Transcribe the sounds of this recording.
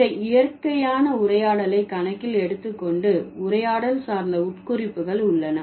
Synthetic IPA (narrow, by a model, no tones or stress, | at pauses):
ɐɪjɐrkɐjaːnɐʊɾɐjaːɽɐlɐɪkɐnɐkːɪlɛɽɯt̪ːɯkːɔɳɖɯʊrɐjaːɽɐlsaːɾnd̪ɐʊʈkʊɾɪpːɯɣɐɭʊɭːɐnɐ